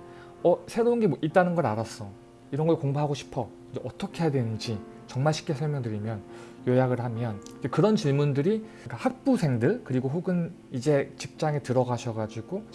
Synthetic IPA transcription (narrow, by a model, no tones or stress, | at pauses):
ʌsʰe̞ɾounɡe̞ʔit̚t͈anɯnɡʌɾaɾas͈ʌ | iɾʌnɡʌɭkoŋbuɦaɡoɕʰi̥pʰʌ | d͡ʑeʌt͈ʰʌkʰe̞jadwe̞nɯnd͡ʑi | t͡ɕʌŋmaɭɕʰi̥k͈̚esʰʌɭmjʌŋdɯɾimjʌn | jʌjaɡɯɭhamjʌnid͡ʑekɯɾʌnt͡ɕiɭmundɯɾi | k͈ahak̚p͈usʰe̞ŋdɯɭkɯɾiɡoɸuɡɯn | id͡ʑe̞t͡ɕip̚t͡ɕ͈aŋe̞tɯɾʌɡaɕʰʌɡad͡ʑiɡo